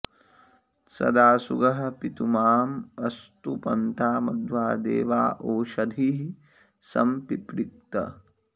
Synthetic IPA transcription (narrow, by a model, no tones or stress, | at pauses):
sɐ̰d̪aːsṵɡɐɦɐpit̪umaːmɐst̪upɐ̰nt̪ʰaːmɐd̪ʋaːd̪ḛːʋaːʔoːʃɐd̪ʱiɦi | sɐ̰mpipɾik̚t̪ɐ̰